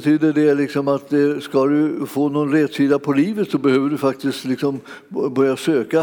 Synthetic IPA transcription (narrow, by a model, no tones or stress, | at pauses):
t̪ʰyːd̪əɖɛɭɪksɔmat̪̚d̪ɛskad̪ɵfoːnɔnɾɛd̪siːd̪apʰɔliːvət̪sɔbɛhøːvəɖɵfak̚t̪ɪst̪lɪksɔm | bœɾjasøːka